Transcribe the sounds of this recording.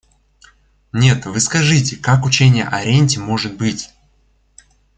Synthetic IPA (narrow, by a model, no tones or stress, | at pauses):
nʲe̞t̪vɨskɐʐɨtʲɪkakʊt͡ɕenʲɪjə̰ʔɐɾʲenʲtʲɪmo̞ʐɨt̪̚bɨtʲ